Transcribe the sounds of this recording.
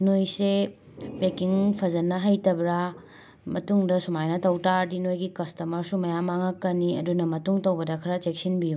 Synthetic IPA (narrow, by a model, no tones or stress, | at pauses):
nojse | pekiŋpʰɐzɐnɐɦajtɐbɾa | mɐtuŋdɐsumajnɐtɐwtaɾdinojɡikɐstɐmɐɾsumɐjamaŋɐkːɐniɐ̰dunɐmɐtuŋtɐwbɐdɐkʰɐɾɐt͡ʃek̚sinbiju